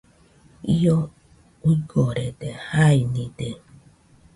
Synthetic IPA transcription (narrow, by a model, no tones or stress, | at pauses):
io | uɡoɾed̪ehainĩd̪e